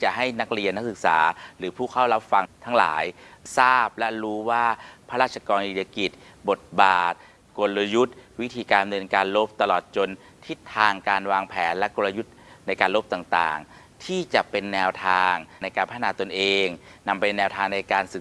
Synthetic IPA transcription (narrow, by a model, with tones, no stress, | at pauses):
t͡ɕa˨˩ʔɦa˥˩jna˦˥k̚ɾi˧ənːa˦˥k̚sɯ˨˩k̚sa̰ː˩˦ɾɯː˩˦pʰuː˥˩kʰa˥˩wla˦˥p̚fa˧ŋt̪ʰa˦˥ŋla̰ː˩˦jsaː˥˩p̚lɛ˦˥ɾuː˦˥waː˥˩pʰa˦˥ɾaː˥˩t̪̚t͡ɕʰa˧kɔː˧ni˨˩ja˧ki˨˩t̪̚bo˨˩t̪̚baː˨˩t̪̚ | ko˧lla˧ju˦˥t̪̚wi˦˥t̪ʰiː˧kaː˧nmnɯ˧ənkaː˧nlo˦˥p̚t̪a˧lɔː˨˩t̪̚t͡ɕo˧n | t̪ʰi˦˥t̪ʰːaː˧ŋkaː˧nwaː˧ŋpʰɛː˩˦nlɛ˦˥ko˧lːa˧ju˦˥t̪̚na˧jkaː˧nlo˦˥p̚t̪aː˨˩ŋt̪a̰ː˨˩ŋ | t̪ʰiː˥˩t͡ɕa˨˩pe˧nːɛː˧wt̪ʰaː˧ŋna˧jkaː˧npʰa˦˥t̪ʰːnaː˨˩˦t̪o˧nʔeː˧ŋna˧mpa˧nɛː˧wt̪ʰaː˧ŋna˧jkaː˧nsɯ˨˩